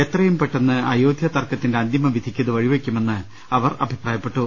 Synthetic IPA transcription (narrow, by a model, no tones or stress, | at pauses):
e̞t̪rɐjumpeʈːenːɨɐjoːd̪ʱjɐt̪ɐrkɐt̪ːinde̞ɐnd̪imɐʋid̪ʱikʲːɐðɨʋɐɻiʋekʲːume̞nːɨ | ɐʋɐrɐ̰bʱipraːjɐpːe̞ʈːu